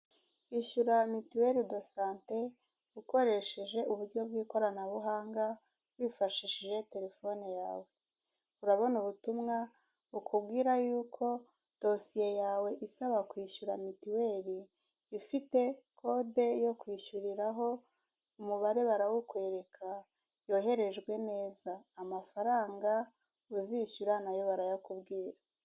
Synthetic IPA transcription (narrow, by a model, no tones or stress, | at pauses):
iʃuɾamitiwe̞ɾido̞saːnte̞ | uko̞ɾe̞ʃeʒe̞ʔuβuɾɟo̞b̚ɡiːko̞ɾanaβuɦaːŋɡa | βwifaʃiʃiʒe̞te̞ɾe̞fo̞nijaːwe̞ | uɾaβo̞nuβutumŋa | ukʰubɡiːɾajuːkʰo̞ | d̥o̞sije̞jaːwe̞ʔisaβakwiːʃuɾamitiwe̞ɾi | ifite̞kʰo̞de̞jo̞kwiːʃuɾiɾaɦo̞ | umuβaɾe̞βaɾawukwe̞ːɾe̞kʰa | jo̞ːɦe̞ɾe̞ʒɡwe̞ne̞ːzaːmafaɾaːŋɡa | uziʃuɾanajo̞βaɾajakubɡiːɾa